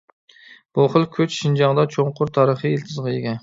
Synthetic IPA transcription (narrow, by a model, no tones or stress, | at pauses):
b̥oχɨlˠkʲʰøt͡ʃʃind͡ʒɑŋd̪ɑt͡ʃʰoɴqʰʊɾt̪ʰɑɾəχielt̪ʰɨzʁɑeɡʲɛn